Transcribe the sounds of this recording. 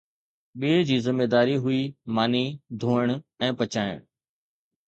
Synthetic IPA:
ɓiːd͡ʑiːzɪmːeːd̪aːɾiɦʊimaːnid̪ʱoːəɽ̃ɛ̃ːpɐt͡ɕaːɪ̰ɽ̃

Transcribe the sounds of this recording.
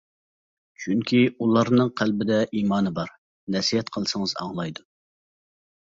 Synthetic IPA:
t͡ʃʰyŋkʲʰiulˠɑɾnɨŋqʰælbɪd̪ɛʔiːmɑːnɨbɑɾ | nɛsijɛt̪qʰəlˠsəŋəzɑ̰ŋlˠɑjd̪u

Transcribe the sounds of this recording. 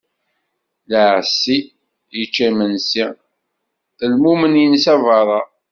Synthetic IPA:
ləʕsːi | jət͡ʃːæmənsi | θəlmumənjənsævɑɾˤɑ

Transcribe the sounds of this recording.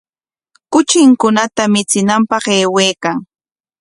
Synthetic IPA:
kʊt͡ʃɪŋkʊnat̪amɪt͡sɪnampɑχeːweːkaŋ

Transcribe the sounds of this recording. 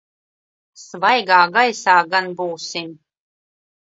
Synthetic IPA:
svajɡaːɡajsaːɡanbuwsim

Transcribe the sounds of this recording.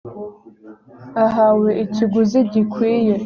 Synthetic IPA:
aɦaweʔit͡ʃʰiɡʷuzeɟikʷʰije

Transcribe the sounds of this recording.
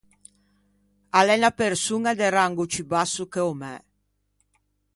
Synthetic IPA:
alɛnapeɾsuŋad̪eraŋɡut͡ʃibasːukeomɛ̰

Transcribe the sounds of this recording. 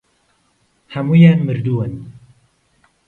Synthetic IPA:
hæmujɛmɨɾd̪uwɛn

